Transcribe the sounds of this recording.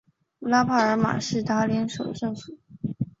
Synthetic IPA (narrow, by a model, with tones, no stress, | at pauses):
la˥pʰa˥˩ə˞˧˥ma̰˨˩ʂɻ̩˥˩t̪a˥ljɛ˧˥nʂo˨˩ʊʂɤ˥˩ŋsu˨˩˦